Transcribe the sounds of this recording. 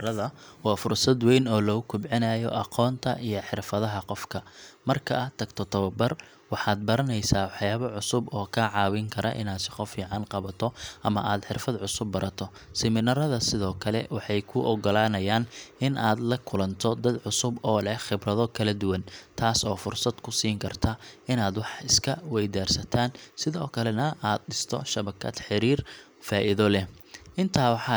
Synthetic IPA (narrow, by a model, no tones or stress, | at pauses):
ɐðɐwɑːfʊrsɐd̪wɛjnɔːlɔɣʊkʰʊbʕɪnɐjɔ̰ʔɑqʰɔːnt̪ʰɐʔijɔħɪrfɐðɐɦɐqɔfkʰɐmɐrkʰɐt̪ʰɐɡt̪ʰɔt̪ʰɐβɐbɐr | wɑħaːd̪̚bɐɾɐnɛjsaːwɑħjaːβɔʕʊsʊbɔːkʰaʕɑːwɪŋkʰɐɾɐ̰ʔɪ̰naːd̪sɪqɔfiːʕɑnqɑβɐt̪ʰɔʔɐmɐʔaːd̪ħɪrfɐd̪ʕʊsʊbːɐɾʔɐt̪ʰɔ | sɪmɪnɐɾɐðɐsɪðɔːkʰɐlɛwɑħɑjkʰʊʔɔɡɔlaːnɐjaːnɪnʔaːd̪lɐkʰʊlɐnt̪ʰɔd̪ɐd̪ʕʊsʊbɔːlɛhχɪbrɐðɔkʰɐlɐd̪ʊwɐnt̪ʰaːsɔːfʊrsɐd̪kʰʊsiːŋkʰɐrt̪ʰɐɪnaːd̪wɑħɪskʰɐwɛjd̪aːrsɐt̪ʰaːnsɪðɔːkʰɐlɛnɐʔaːd̪̚ɖɪst̪ʰɔ̰ʃɐβɐkʰɐ̰d̪ħɪɾiːr | faːʔɪðɔlɛ | ʔɪnt̪ʰaːwɑħɑ